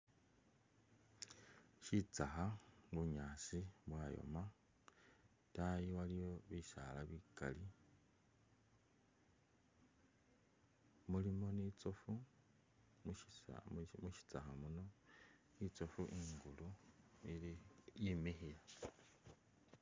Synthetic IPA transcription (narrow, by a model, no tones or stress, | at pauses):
ʃit͡saxaɡuɲaːsiβwajo̰ma | tajiwalijo̞βisa̰laβika̰li | mulimo̞nit͡sofu | muʃi̥t͡saxamuno̞ | it͡sofuʔiːŋɡuluiijimixila